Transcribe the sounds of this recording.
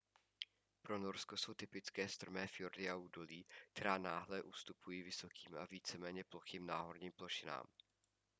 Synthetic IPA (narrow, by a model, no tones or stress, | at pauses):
pɾo̞no̞ɾsko̞so̞wt̪ɪpɪt͡skɛːst̪ɾrmɛːfɪoɾdɪauːdo̞liːk̚t̪ɛɾaːnaːɦlɛʔust̪upujiːvɪso̞kʰiːmʔa̰viːt͡sɛmɛːɲɛplo̞xiːmnaːɦo̞ɾɲiːmplo̞ʃɪna̰ːm